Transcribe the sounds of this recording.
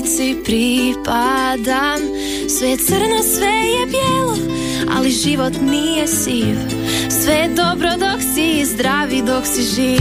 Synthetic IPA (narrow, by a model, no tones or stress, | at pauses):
t̪sipɾipad̪am | sʋet̪səɾnasʋejebjelˠo | a̰liʒiʋot̪niːjesiːʋ | sʋed̪o̞bɾod̪o̞ksizd̪ɾaʋid̪o̞ksiʒiː